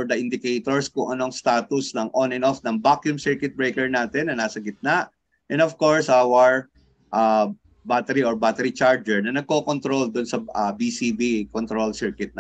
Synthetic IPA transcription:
ɹd̪ɐʔɪnd̪ɪkɛjt̪oɹskʊŋʔɐno̞ŋst̪aːt̪ʊsnɐŋʔonɛnofnɐŋbakjʊmsɛɹkɪt̪̚bɹɛjkɛɹnaːt̪ɛnːɐnaːsɐɡɪt̪̚naʔ | ʔɛ̃novkoɹsʔawɐɹ | ʔa | bat̪ɛɾiɔɹbat̪ɛɾit͡ʃaɹd͡ʒɛɹnɐnɐɡ̚kokont̪ɾold̪ʊnsɐabiːsibikont̪ɾolsɛɹkɪt̪̚nɐ

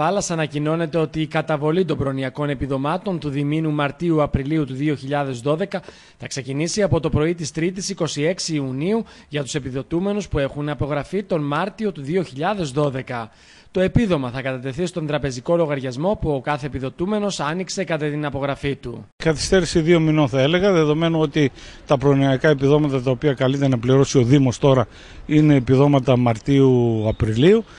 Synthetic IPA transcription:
ɐlɐsɐnɐcino̞ne̞t̪e̞o̞t̪iːkɐt̪ɐvo̞lit̪o̞mbɾo̞niɐko̞ne̞piðo̞mɐt̪o̞nt̪uðiminumɐɾt̪iuɐpɾiliut̪uðio̞çiʎɐðe̞zðo̞ðe̞kɐ | θɐkse̞cinisiɐpo̞t̪o̞pɾo̞it̪ist̪ɾit̪̬isiko̞sie̞ksiːuniu | ʝɐt̪u̥se̞piðo̞t̪ume̞nuspue̞xunɐpo̞ɣɾɐfit̪o̞nmɐɾt̪io̞t̪uðio̞çiʎɐðe̞zðo̞ðe̞kɐ | t̪o̞e̞piðo̞mɐθɐkɐt̪ɐt̪e̞θist̪o̞nd̪ɾɐpe̞ziko̞lo̞ɣɐɾʝɐzmo̞puokɐθe̞ːpiðo̞t̪ume̞no̞sɐnikse̞kɐt̪ɐt̪inɐpo̞ɣɾɐfit̪ukɐθi̥st̪e̞ɾisiðio̞mino̞nθɐe̞le̞ɣɐðe̞ðo̞me̞nuo̞t̪it̪ɐpɾoniɐkɐe̞piðo̞mɐt̪ɐt̪ɐopiɐkɐlit̪e̞nɐpliɾo̞sio̞ðimo̞st̪o̞ɾɐ | ine̞ːpiðo̞mɐt̪ɐmɐɾt̪iuɐpɾiliu

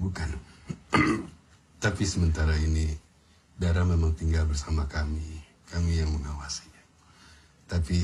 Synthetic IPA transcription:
bukan | t̪apisəmənt̪aɾaini | daɾamemaŋt̪iŋɡalbərsamakami | kamijaŋməŋawasi̥ɲa | t̪api

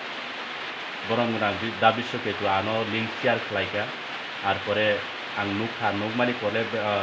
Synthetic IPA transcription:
ɡɔɾɔmɡunamdid̪abisɔket̪uanɔliŋsiaɾkʰɛlajkaː | ɾpɔɾe | aŋnukʰaɾnuk̚manipɔleb

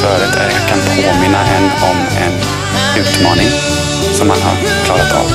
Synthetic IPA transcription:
œːɾət̪ʰæɾkʰanpʰoːmɪnːaʔɛnːɔm | ɛn | ʉ̟ːt̪mɑːnɪŋ | sɔmːanɦa̰ɾ | kʰlɑːɾat̪a̰v

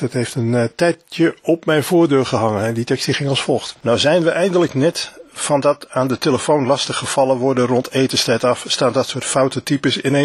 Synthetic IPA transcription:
d̥ɑtɦejftəntɛjtjəɔpmɛjnv̥ʊːɹdøːrχəɦɑŋənɛditɛkstiχɪŋɑlˠsfɔlˠxtnawzɛjnʋəʔɛjndələknɛtfɑndɑtaːndəteləfownlɑstəχəfɑlˠəʋɔɹdərɔntejtənstɛtɑfstaːndɑtsʊːtfawtətipəsɪne

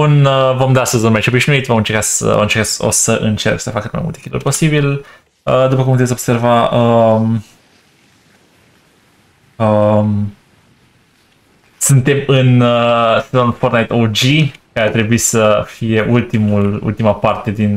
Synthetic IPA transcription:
unəvo̞md̪ast̪əzunmat͡ʃo̞biʃnuit̪vomɨnt͡ʃeɾkasə̰o̰ɨnt͡ʃe̞ɾkao̰səʔɨnt͡ʃe̞̰rksəfakɨt̪ma̰jmult̪ekʲid̪lṵrʲpo̞sibil | əd̪upəkumput̪esʲo̞b̥se̞rvaəm | əm | sɨnt̪e̞mɨnəanunfort̪najt̪od͡ʒikaeat̪ɾe̞buisəfije̞ʔult̪imulṵlt̪imapart̪e̞d̪in

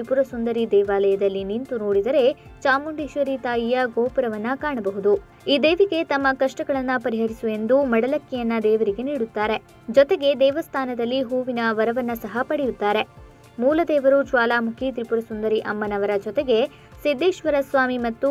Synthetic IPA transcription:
t̪ɾipuɾɐsund̪ɐɾid̪ɛːʋaːlɐjɐd̪ɐlːinint̪unoːɽid̪ɐɾe̞ | t͡ʃaːmuɳɖiʃʋɐɾit̪aːjijɐɡoːpɐɾɐʋɐnːɐkaːɳɐbɐɦud̪u | iːd̪eːʋiɡe̞t̪ɐmːɐkɐʂʈɐɡɐɭɐnːɐpɐɾiɦɐɾisue̞nd̪umɐɽɐlɐkːɛjɐnːɐd̪ɛːʋɐɾiɡe̞niːɽut̪ːaːɾe̞ | d͡ʒɔt̪eɡe̞d̪ɛːʋɐst̪ʰaːnɐd̪ɐlːiɦuːʋinɐʋɐɾɐʋɐnːɐsɐɦɐpɐɽɛjut̪ːaːɾe̞ | muːlɐd̪ɛːʋɐɾut͡ʃʋaːlaːmukʰit̪ɾipuɾɐsund̪ɐɾiʔɐmːɐnɐʋɐɾɐd͡ʒɔt̪e̞ɡe̞ | sid̪ːeːʃʋɐɾɐsʋaːmimɐt̪ːu

